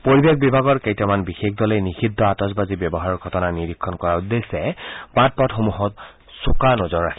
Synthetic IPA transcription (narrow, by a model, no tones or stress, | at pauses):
poɹibek̚bibʱaɡɔɹkejtamanbixexdɔlenixidʱːɔatɔsbazibjɔbɔɦaɹɔɹɡʱɔtɔnaniɹikʰːɔnkɔɹaud̪ːesɛbat̚pɔtxomuɦɔt | sukanɔzɔɹːakʰi